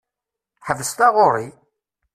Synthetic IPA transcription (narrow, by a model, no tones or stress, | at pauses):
ħəvəst̪ɑʁoɾˤi